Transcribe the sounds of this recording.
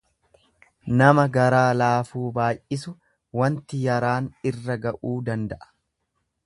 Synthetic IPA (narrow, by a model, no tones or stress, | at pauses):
nɐmɐɡɐɾaːlaːfuːbaːjʔɪsʊ | wɐnt̪ɪjɐɾaːnɪrːɐɡɐʔuːd̪ɐnd̪ɐʔɐ̥